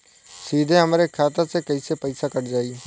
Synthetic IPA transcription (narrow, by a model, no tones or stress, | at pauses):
siːd̪ʱẽːɦəmɾeːkʰaːt̪aseːkəiseːpəiːsaːkəɽd͡ʒaːiː